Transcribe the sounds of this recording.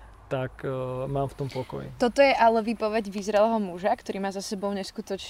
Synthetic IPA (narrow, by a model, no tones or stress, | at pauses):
t̪akmaːmft̪ɔmpɔkɔ̰jḭt̪ɔt̪ɔjɛʔalɛʋiːpɔʋɛɟvizɾɛlɛɦɔmuʒakt̪ɔɾiːmaːzasɛbɔʊɲɛskut̪ɔt͡ʃ